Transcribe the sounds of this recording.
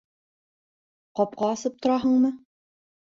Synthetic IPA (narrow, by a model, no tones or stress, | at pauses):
qɒp̚qɑːsɤp̚t̪ŏɾɑɦɤɴmɤ